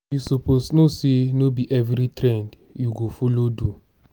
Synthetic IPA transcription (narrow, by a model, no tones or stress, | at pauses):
jusoposnosenobiʔɛvɾitɾɛ̃nd | juɡofolodu